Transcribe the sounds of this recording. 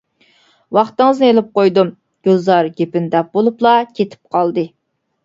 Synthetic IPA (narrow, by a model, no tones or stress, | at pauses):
wɑχt̪ɨŋɨznɨelɪp̚qojd̪um | ɡ̥ʲøzɑɾɡʲepɪnd̪ɛp̚bolˠuplˠɑkʲʰet̪ʰɪ̥p̚qʰɑlˠd̪ɨ